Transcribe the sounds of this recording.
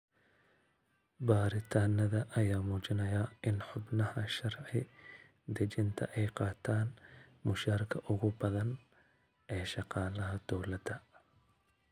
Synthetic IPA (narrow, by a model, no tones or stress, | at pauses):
baːɾɪt̪ʰaːnɐðɐʔɐjaːmuːt͡ʃɪnɐjaːʔɪnħʊbnɐhɐʃɐrʕɪ | d̪ɐt͡ʃɪnt̪ʰɐ̰ʔɛjqɑːt̪ʰaːnmʊʃaːɾkʰɐʔʊɣʊbɐðɐn | ʔɛːʃɑqɑːlɐɦɐd̪̥ɔwlɐd̪ɐ